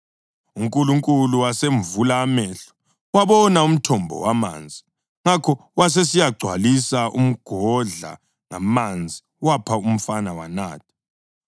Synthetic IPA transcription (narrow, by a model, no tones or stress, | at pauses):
uŋkʼuluŋkʼuluwaseɱvulaːmɛɬɔ̥ | waβɔnaum̩tʰɔmbʱɔ̰wama̰ːnd͡zʱi | ŋakʰɔwas̬esijaɡ͡ǀʱwa̰lisaʔum̩ɡ̥ʱɔɮa̰ | ŋamand͡zʱi | wapʰaum̩fanawa̰na̰ːtʰḁ